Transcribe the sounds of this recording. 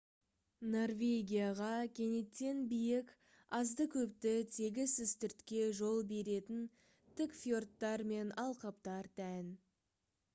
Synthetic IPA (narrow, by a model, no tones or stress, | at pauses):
no̞rvʲe̞ɡʲijaʁɑkʲʰe̞ne̞t̪ːenbijɪk | ɑzd̪əkʲʰɵp̚t̪ɪt̪ʰe̞ɡʲɪzɪzt̪ʏɾt̪kʲe̞ʒo̞lˠbe̞ɾe̞t̪ɪn | t̪ʰɪkfjo̞rt̪ːɑɾme̞nɑlˠqɑpt̪ɑɾt̪ʰæn